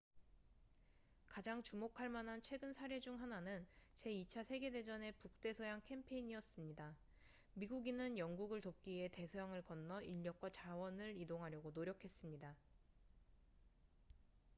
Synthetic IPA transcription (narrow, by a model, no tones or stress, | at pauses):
kad͡ʑaŋt͡ɕumokʰaɭmanɦant͡ɕʰwe̞ɡɯnsʰaɾe̞d͡ʑuŋɦananɯnt͡ɕe̞it͡ɕʰasʰe̞ɡe̞de̞d͡ʑʌne̞puk̚t͈e̞sʰʌjaŋkʰe̞mpʰe̞iɲiʌs͈ɯmɲida | miɡuɡinɯnjʌŋɡuɡɯɭtop̚k͈ie̞te̞sʰojaŋɯɭkʌnːʌiʎːʌk͈wat͡ɕawʌnɯɾidoŋɦaɾjʌɡonoɾjʌkʰe̞s͈ɯmɲida